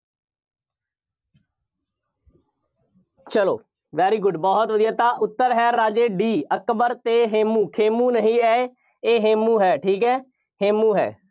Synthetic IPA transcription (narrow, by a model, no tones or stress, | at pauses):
t͡ʃəlo̰ː | ʋɛːɾiːɡʊɖbɔːɦt̪ʋəd̪ijaːt̪aːʔʊt̪ːəɾɦɛːɾːaːd͡ʒeːɖiːəkbəɾt̪eːɦeːmũːkʰeːmũːnəɦĩːɛːe | eːɦeːmũːɦɛːʈʰiːkɦɛː | heːmũːɦɛ̰ː